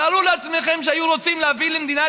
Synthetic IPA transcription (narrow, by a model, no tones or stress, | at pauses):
aluleat͡smeχemʃ̬eajuʁo̞t͡simleavilemd̪ina